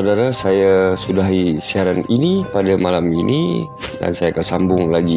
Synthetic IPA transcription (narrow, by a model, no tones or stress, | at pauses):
adaɾasajasudaɦisiaɾaninipadamalaminḭ | da̰nsajakasambʊŋlaɡi